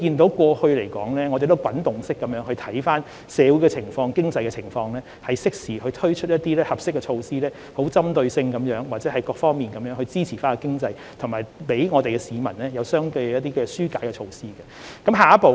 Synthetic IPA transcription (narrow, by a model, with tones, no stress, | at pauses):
kiː˧nt̪o˨˧˥wkʷɔː˧hɵ˧ɥle˨˩jkɔ̰ː˨˥ŋlɛː˥ŋɔː˨˧e˨jt̪o˥wkwɐ˨˥nt̪ʊ˨ŋsɪ˥kːɐ˨˦mjœː˨˥ŋhɵ˧ɥt̪ʰɐ˨˥jfaː˥n | sɛː˨˧wu˨˥jkɛ˧t͡sʰɪ˨˩ŋfɔː˧ŋkɪ˥ŋt͡sɐ˧jkɛ˧t͡sʰɪ˨˩ŋfɔː˧ŋlɛː˥ | hɐ˨jsɪ˥k̚siː˨˩hɵ˧ɥt̪ʰɵ˥ɥt͡ʃʰɵ˥t̚jɐ˥t̚t̪iː˥lɛː˥hɐ˨˩p̚sɪ˥kːɛ˧t͡ʃʰo˧wsiː˥lɛː˥ | ho˨˥wt͡sɐ˥mt̪ɵ˧ɥsɪ˧ŋkɐ˨˥mjœː˨˥ŋwaː˨˩t̚t͡sɛː˨˥hɐ˨jkɔː˧k̚fɔː˥ŋmiː˨nkɐ˨˦mjœː˨˧ŋhɵ˧ɥt͡siː˥t͡sʰiː˨˩faː˥nkɛ˨˧kɪ˥ŋt͡sɐ˧j | t̪ʰʊ˨˩ŋmaː˨jpe˨˥jŋɔː˨˧t̪e˨jkɛ˧siː˨˧mɐ̰˨˩nlɛː˥jɐ˨˧wsœː˥ŋt̪ɵ˧ɥjɐ˥t̪iː˥kɛ˧syː˥kaː˨˥jkɛ˧t͡ʃʰo˧wsiː˥kɐ˨kɐ˨˥mɦaː˨˩ɐ˥po˨